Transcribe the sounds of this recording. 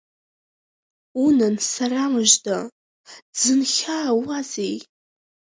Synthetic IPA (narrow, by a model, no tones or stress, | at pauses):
unansaɾamɨʒda | d͡zɨnχʲaːwazej